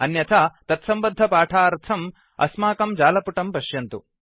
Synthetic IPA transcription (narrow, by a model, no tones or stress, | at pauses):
ɐnjɐt̪ʰaːt̪ɐt̪sɐmbɐd̪ʱːɐpaːʈʰaːɾt̪ʰɐm | ɐ̰smaːkɐmd͡ʒaːlɐpuʈɐmpɐʃjɐnt̪u